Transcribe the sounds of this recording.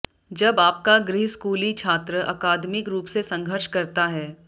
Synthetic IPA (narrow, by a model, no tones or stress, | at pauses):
d͡ʒɐbaːp̚kaɡɾɪɦskuːlit͡ʃʰaːt̪ɾəʔɐ̰kaːd̪mɪkɾuːpsesɐ̃ŋɡʱəɾʃkɐɾt̪aɦɛː